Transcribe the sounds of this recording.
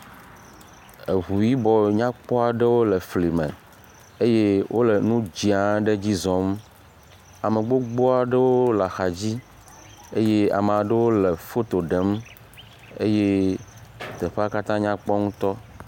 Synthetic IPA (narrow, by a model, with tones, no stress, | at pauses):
e˨ɦu˨ji˦bɔ˨ɲã˦k͡pɔ˦a˨ɖe˦wo˦le˨fli˨mḛ̃˨ | e˦je˦wʔo˦le˨nũ˦d͡ʑi˨a˨˦ɖe˦d͡ʑi˦zɔ̃˨˦m | a˨me˨ɡ͡bo˦ɡ͡bo˦a˨ɖe˦wo˦la˨xa˨d͡ʑi˦ | e˦je˦a̰˨me˨a˨ɖe˦wo˦le˨fo˦t̪o˨ɖe˨˦m | ḛ˦je˦ | t̪e˨ɸe˦a˦ka˦t̪ã˦ɲã˦k͡pɔ˦ŋũ˦t̪ɔ˦